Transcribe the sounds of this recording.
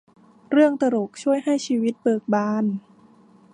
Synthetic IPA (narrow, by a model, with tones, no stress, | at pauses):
ɾɯ˥˩əŋt̪a˧ɾo˨˩k̚t͡ɕʰu˥˩əjɦa˥˩jt͡ɕʰiː˧wi˦˥t̪̚bɤː˨˩k̚baː˧˩n